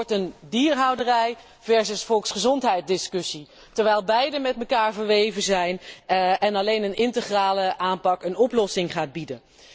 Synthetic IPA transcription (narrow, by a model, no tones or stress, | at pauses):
ɹtəndiːrɦɑwdərɛj | vɛɹzəsfɔlˠksχəzɔntɦɛjt̚dɪskɵsi | təɹʋɛjlˠbɛjdəmɛtməkaːɹvəɹʋejvəzɛjnɛnɑlejnənɪntəχraːləʔaːnpɑkənɔplɔsɪŋχaːd̚bidən